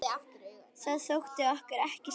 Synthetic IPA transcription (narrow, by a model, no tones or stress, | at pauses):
aθaðsowxt̪ɪahkaɾɛhcɪ